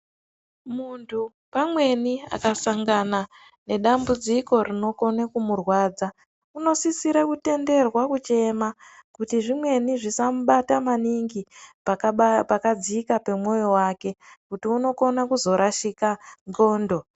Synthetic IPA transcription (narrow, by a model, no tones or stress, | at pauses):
muntʰu | pamwe̞nia̰kasaŋɡana | ne̞ɗambud͡ziko̞rino̞ko̞nekumurwaːd͡za | uno̞sisiɾakute̞nde̞rwakut͡ʃe̞makutiʐimwe̞niʐisamuɓatamaniŋɡi | apakad͡zikape̞mwo̞jo̞waːke̞kutiuno̞ko̞nakuzo̞ɾʔaʃikanɡo̞ːndo̞